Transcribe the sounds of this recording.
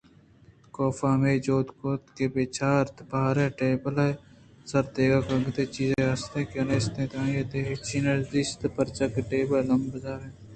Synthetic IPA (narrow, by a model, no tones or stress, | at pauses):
koːfaːmeːd͡ʒoːt̪koːt̪keːbeːt͡ʃʰaːɾt̪baːɾẽːʈeːbəle | sɐɾt̪eːɡaːkɐɡt̪eːt͡ʃiːzẽɐst̪ẽːkeɐneːst̪ẽːt̪ãːjet̪eɦet͡ʃʰiːnɐɾzist̪pɐɾt͡ʃɐkʈeːbəllɐmbzaːɾẽː